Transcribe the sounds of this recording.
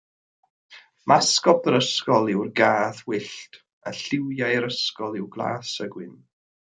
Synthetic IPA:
mʔaskɔpəɾəskɔlˠɪwrɡaːðwɪɬt | a̰ɬɪwjajɾəskɔlˠɪwɡlˠa̰ːsəɡwɪn

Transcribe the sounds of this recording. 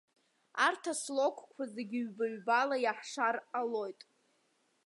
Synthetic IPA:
artʰaslo̞kʷʰʼkʷʰazeɡʲɪɥbaɥbalajaħʂaralo̞jtʼ

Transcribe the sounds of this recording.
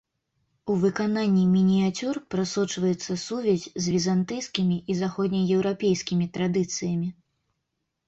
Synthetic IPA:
uvɨkananʲːimʲinʲijat͡sʲurpɾasɔt͡ʂvɐjɛt̪sːɐsuvʲɛzʲzʲvʲizant̪ɨjskʲimʲiʔizaxɔd̪ʲnʲɐjɛwɾapʲejsʲkʲimʲit̪ɾad̪ɨt̪sɨjɐmʲi

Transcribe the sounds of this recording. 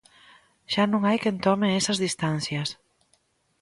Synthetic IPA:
ʒ̥anuŋajkent̪ɔmeesəzðist̪ansjes

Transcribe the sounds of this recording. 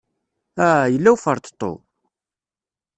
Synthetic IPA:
æjəlːæwfəɾˤt̪t̪ˤːo̰

